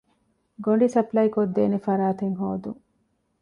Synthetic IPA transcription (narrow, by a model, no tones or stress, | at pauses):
ɡoɳɖisɐplɐjkod̪ːeːnefɐɾaːt̪eŋɦoːd̪uŋ